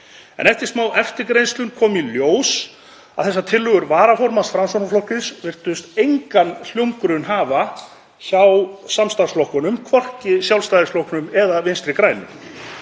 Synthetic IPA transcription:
ɛ̰nɛft̪ɪɾ̥smaːwʔɛft̪ɪɾkɾejnst̪lʏmkʰɔːmiljoːws | a̰ðθɛsːat̪ʰɪlːʏɣʏɾvaːɾafɔɾmasfɾamsonaflɔwhkɪsvɪr̥t̪ʏst̪ejŋkanl̥jowŋkɾʏnɦaːva | çawsamst̪aɾsflɔwhkʏnʏmkʰvɔr̥cɪsjawlst̪ajðɪslɔhknʏmɛðavɪnst̪ɾɪkɾaːjnʏ̰m

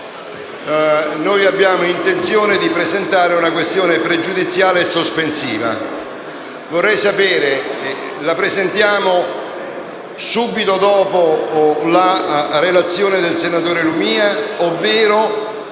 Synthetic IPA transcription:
noːjabːjaːmoint̪ent̪sjoːned̪ipɾezent̪aːɾeunakwest̪joːnepɾed͡ʒud̪it̪sjaːleːsːospensḭːva̰ | vorːɛjsapɛːɾe | lapɾezent̪jaːmo | suːbit̪od̪ɔːpolarelat̪sːjoːned̪elsenat̪oːɾelumiːaovːɛːɾo

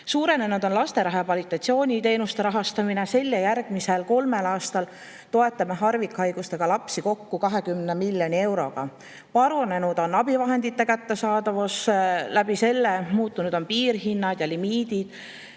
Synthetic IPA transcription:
suːɾe̞ne̞nud̪o̞nlɑst̪e̞ɾɑɦepvɑlit̪ːˑɑt̪sio̞ːnʲit̪e̞ːnust̪e̞ɾɑɦɑst̪ɑminese̞lʲːejærɡ̥miselko̞lme̞lɑːst̪ɑl | t̪o̞e̞t̪ːˑɑmeɦɑrvikhɑjɡust̪e̞ɡ̥ɑlɑpsiko̞kːukɑɦe̞kymnemilʲːjonʲie̞wɾo̞̰ɡ̥ɑ | pɑɾune̞nud̪̥o̞nɑb̥ivɑɦe̞nd̪it̪ːe̞kæt̪ːe̞sɑːd̪ɑvuslæb̥ise̞lːemuːt̪ˑːunud̪̥o̞npiːrɦinːɑd̪̥jɑlimiːd̪̥id̪̥

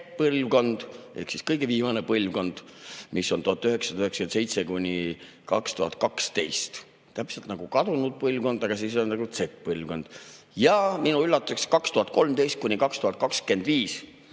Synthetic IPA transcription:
pɤlʲvko̞nd̪̥ʔe̞̰hksiskɤjɡ̥eviːmɑnepɤlʲvɡo̞nd̪̥misːo̞nt̪uhɑt̪ːˑyhe̞ksɑd̪ɑyheksɑ̥kense̞jt̪se̞kunʲi | kɑ̰kst̪uhɑt̪̚kɑkst̪e̞jst̪ | t̪æpselt̪nɑɡ̥ukɑd̪unud̪̥̚pɤlʲvɡo̞nd̪̥ɑɡ̥ɑs̬is̬onnɑɡut̪se̞kpɤlʲvɡo̞nd̪̥ | jɑminuylːɑt̪ːˑu̥sekskɑkst̪uhɑt̪̚ko̞lmt̪e̞jst̪̚kunʲikɑkst̪uhɑt̪̚kɑkske̞nd̪̥viːs

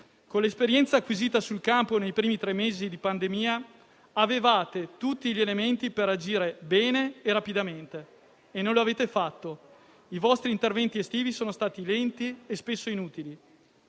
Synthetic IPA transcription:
konlespeɾjɛnt̪saːkːwiziːt̪asulkamponejpɾiːmit̪ɾemːeːzid̪ipand̪emiːa | avevaːt̪et̪ut̪ːiʎelement̪ipeɾad͡ʒiːɾebɛːneːrapid̪ament̪e | enːõnloaveːt̪efat̪ːo | ivɔst̪ɾiːnt̪ervɛnt̪iest̪iːvisoːnost̪aːt̪ilɛnt̪iespesːoinuːt̪ili

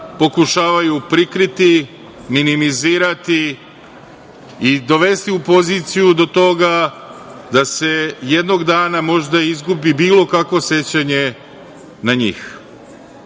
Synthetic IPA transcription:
po̞kuʃaːʋajupɾikɾit̪i | minimiziːɾat̪i | id̪o̞ʋe̞st̪iupo̞ziːt̪sijud̪o̞t̪o̞ɡa | d̪ase̞jed̪no̞ɡd̪aːnamo̞ʒd̪aizɡubibiːlo̞kakʋo̞se̞t͡ɕaɲe̞ | naɲḭːx

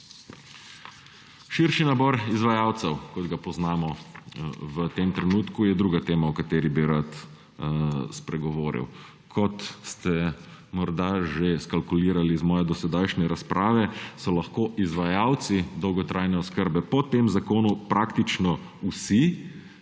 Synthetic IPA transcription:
ʃiɾʃinabɔːɾizʋajaːwt̪sɛwkɔd̪ɡapɔznaːmɔ | ʋət̪emt̪ɾɛnuːt̪kujɛd̪ɾuːɡat̪eːmawkat̪eːɾibiɾat̪ | spɾɛɡɔʋoːɾḭw | kʰɔt̪st̪ɛmɔɾd̪aʒeskalkuliːɾalizmɔːjɛd̪ɔsɛd̪ajʃnɛɾaspɾʔaːʋɛsɔlaxkoːʔizʋajaːwt̪sid̪ɔwɡɔt̪ɾʔajnɛɔskəɾbɛpɔt̪emzakoːnupɾʔaːkt̪it͡ʃnɔ | usi

